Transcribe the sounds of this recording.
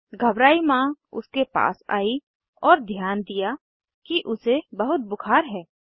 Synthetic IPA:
ɡʱɐbɾaːimãʊ̰skepa̰ːsa̰ːi | ɔːɾd̪ʱjaːnd̪ija | kiʔʊsebɐɦʊt̪̚bʊkʰaːɾɦɛː

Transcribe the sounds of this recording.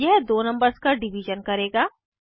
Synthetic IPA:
jɛɦd̪oːnɐ̃mbəɾskaɖɪʋiʒənkɐɾeːɡaː

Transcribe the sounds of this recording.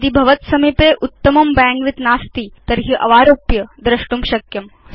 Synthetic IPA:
d̪ibʱɐʋɐt̪sɐmipeʔut̪ːɐmɐmbãːŋɡʋit̪naːst̪iːt̪ɐɾɦiʔɐʋaːɾoːpjɐd̪ɾɐʂʈumɕɐkjɐm

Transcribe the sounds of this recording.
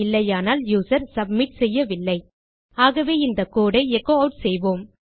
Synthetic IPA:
ɪlːɐjaːnaːljuːsɐɾsɐb̚mɪʈsɛjːɐʋɪlːɐɪ | aːɣɐʋeːɪnd̪ɐkoːɽɐɪɛkːoːɐʊʈsɛjʋoːm

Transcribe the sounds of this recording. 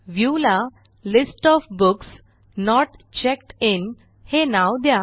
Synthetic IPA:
ʋjula | lɪsʈɔfbʊks | nɔʈt͡ɕek̚ʈɪn | henawd̪ja

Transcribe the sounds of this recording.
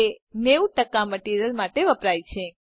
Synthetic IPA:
eneuʈəkaməʈiɾijəlmaʈeʋəpɾajt͡ʃʰe

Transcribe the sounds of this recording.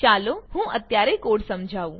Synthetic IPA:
t͡ʃaːloɦũːɐt̪jaːɾekoːɽsɐmd͡ʒʱaːũ

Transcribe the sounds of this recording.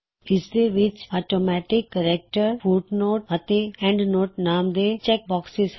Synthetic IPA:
ɪsd̪eʋɪt͡ʃɔːʈomɛʈɪkːəɾɛk̚ʈəɾfuʈnoːʈ̚ət̪eɛ̃ɳɖnoːʈnãːmd̪et͡ʃɛk̚bɔːksɪz

